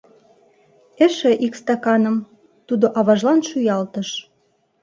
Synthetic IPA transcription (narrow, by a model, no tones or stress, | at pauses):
eʃĕʔikst̪ɑkɑnə̆m | t̪ud̪oʔɑβɑʒlɑnʃyjɑlt̪əʃ